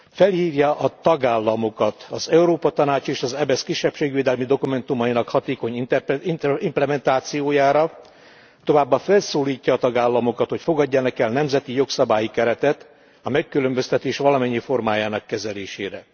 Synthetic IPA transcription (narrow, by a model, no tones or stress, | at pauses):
fɛlhiːvjɒʔɒt̪ɒɡaːlːɒmo̞kɒt̪ɒzɛuɾoːpɒt̪ɒnaːt͡ʃeːʃɒzɛbɛskiʃːɛpʃeːɡʋeːd̪ɛlmid̪o̞kumɛnt̪umɒjinɒkhɒt̪eːko̞ɲiiimplɛmɛnt̪aːt̪sijoːjaːɾɒ | t̪o̞vaːbːɒfɛlsoːliːcːɒːt̪ɒɡaːlːɒmo̞kɒt̪ho̞cfo̞ɡɒɟːɒnɛkɛlnɛmzɛt̪ijo̞ksɒbaːjikɛɾɛt̪ɛt̪ | ɒmɛkːylømbø̞st̪ɛt̪eːʃʋɒlɒmɛɲːifo̞rmaːjaːnɒkːɛzɛleːʃḛːɾɛ